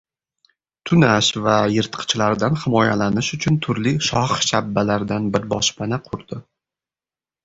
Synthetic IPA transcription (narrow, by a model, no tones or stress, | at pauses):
t̪ʰʊnaʃvajɪɾt̪qʰɨ̥t͡ʃlaɾd̪anhɪmɒjalanɪʃʊt͡ʃʰʊnt̪ʰʊɾliʃɒχʃabːalaɾd̪anbɪɾbɒʃpanaqʰʊɾd̪̥ɪ